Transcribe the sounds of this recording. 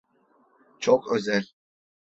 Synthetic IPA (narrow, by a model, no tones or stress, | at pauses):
t͡ʃʰokøzælʲ